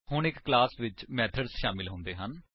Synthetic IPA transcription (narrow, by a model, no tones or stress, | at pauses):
hʊɳɪkːlaːsʋɪt͡ʃmɛːt̪ʰəɖsʃaːmɪlɦʊ̃ːnd̪eːɦən